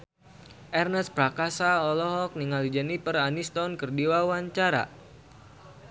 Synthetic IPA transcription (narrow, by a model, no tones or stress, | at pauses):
ʔɛrnəspɾakasaɔlɔɦɔk̚niŋalid͡ʒɛnipəranist̪ɔnkərdiwawaɲt͡ʃaɾa̰